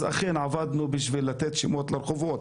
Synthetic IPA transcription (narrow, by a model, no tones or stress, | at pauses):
za̰χenʕavad̪nubiʃvilːat̪et̪ʃimot̪laɾχovot̪